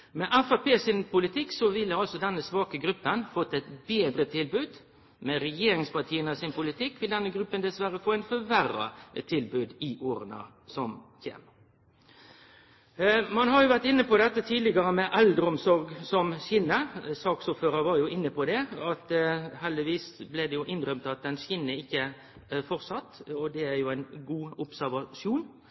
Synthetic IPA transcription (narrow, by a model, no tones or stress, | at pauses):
mɛʔæfɑpeːsɪnpʊlɪt̪ʰɪksɔʋɪlːəɑlsɔd̪ɛnːəsʋɑːkəɡɾʉpːənfɔt̪ːɛt̪beːd̪ɾət̪ʰɪlbʉːd̪ | mɛɾɛjeːɾɪŋspɑʈʰiːənəsɪnpʊlɪt̪ʰɪkːʋɪld̪ɛnːəɡɾʉpːənd̪ɛsʋæɾəfoːæɪnfœʋæɾɑ̰t̪ʰɪlbʉːd̪ɪʔoːɾənɑ̰ | sɔmçḛːm | mɑnɦɑɾjʊʋæʁʈ̪ɪnːəpɔd̪ɛt̪ːət̪ʰiːd̪lɪɡɑɾəmɛʔɛld̪ɾɔmsɔɾɡsɔmɕiːnɑsɑːksʊpføːɾəɾʋɑɾjʊɪnːəpɔd̪ɛɑt̪hɛld̪ɪʋiːsbleɪd̪ɛjʊʔɪnːɾœmt̪ɑt̪̚d̪ɛnɕɪnːəɪçːə | fɔʁsɑt̪ːɔd̪ɛæɾjʊæɪnɡuːʊpsæʁʋɑʃjuːn